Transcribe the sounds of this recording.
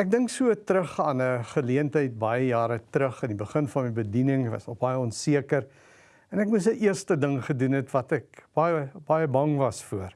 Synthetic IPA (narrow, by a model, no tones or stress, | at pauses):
æk̚dəŋksuətɾəχɑːnəχəliəntəjt̚bɐjəjɑːɾətrəχənibəχənfɐnmɛjbədinəŋvɐ̰snɔχbɐjəɔnsiəkər | ɛnækmus̬əʔiərstədəŋχədunɦɛtvɐtɛk̚b̥ɐjəb̥ɐjəbɐŋvɐsfuər